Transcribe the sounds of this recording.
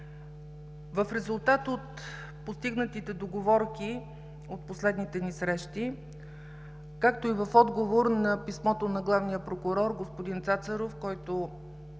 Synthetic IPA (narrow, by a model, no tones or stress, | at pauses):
vəfɾɛzʊlˠt̪at̪ot̪ | post̪iɡnət̪it̪ɛd̪oɡovɔɾki | ot̪̚poslɛd̪nit̪ɛnisɾɛʃt̪i | kakt̪oivɐfɔd̪ɡovoɾnɐpismɔt̪onɐɡlˠavnijəpɾokʊɾɔɾɡospod̪int̪sat̪səɾofkɔjt̪o